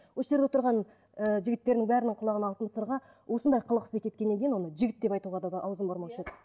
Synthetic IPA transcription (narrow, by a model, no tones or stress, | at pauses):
wo̞sʒeɾd̪et̪ʊɾʁɑn | əʒɪɡʲɪt̪ːe̞ɾɪnɪŋbæɾɪnɪɴqʰʊlˠɑʁənɑlˠt̪ənəst̪ɾʁɑ | wʔo̞sənd̪ɑjqʰəlˠəqəsd̪ekʲʰet̪kʲe̞nːeŋɡʲejnwo̞nəʒɪɡʲɪt̪d̪epɑjt̪uʁɑd̪ɑɑwzəmboɾmɑʃed̪ə